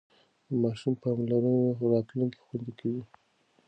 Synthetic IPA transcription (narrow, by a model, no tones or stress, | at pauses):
d̪əmɑʃumpɑmlaɾənoɾɑt̪luŋke̥xwand̪ikʰawi